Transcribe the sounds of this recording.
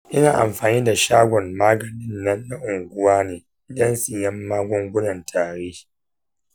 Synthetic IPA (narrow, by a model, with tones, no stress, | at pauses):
ʔɪ˦naː˨ʔa̰˨mɸaː˨niː˦da˨ʃaː˦ɡʷɔ˨mmaː˦ɡɐ˨nɪ˦nːɐ˦nːa˦ʔʊ˨ŋɡʷʊ˦waː˦neː˨ | dɐ˦nsɪ˨jɐ˦mːaː˦ɡʷɔ˦ŋɡʷʊ˦nɐ˨ntʰaː˨ɽeː˦